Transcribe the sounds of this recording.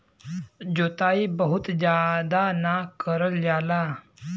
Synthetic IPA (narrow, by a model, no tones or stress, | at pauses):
d͡ʑot̪aiːbəɦut̪d͡ʑjad̪anakəɾəljala